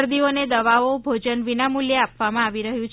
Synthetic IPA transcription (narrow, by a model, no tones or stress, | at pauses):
ɾd̪ioned̪əʋaobʱod͡ʒənʋinamuljəapʋamãaʋiɾəɦjũt͡ʃ